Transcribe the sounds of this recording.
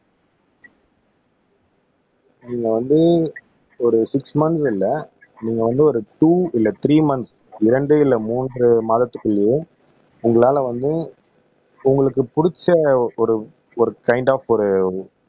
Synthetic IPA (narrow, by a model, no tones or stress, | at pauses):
niːŋɡɐʋɐnd̪ɯ | ɔɾɯsɪksmɐnsɪlːɐ | niːŋɡɐʋɐnd̪ɯɔɾɯʈuːɪlːɐt̪ɪɾiːmɐns | ɪɾɐɳɖɯɪlːɐmuːnrɯmaːðɐt̪ːɯkːɯɭːjeɯ | ʊŋɡɐɭaːlɐʋɐnd̪ɯ | ʊŋɡɐɭɯkːɯpʊɽɪt͡ʃːɐɔɾɯ | ɔɾɯkɐɪɳɖaːfɔɾɯ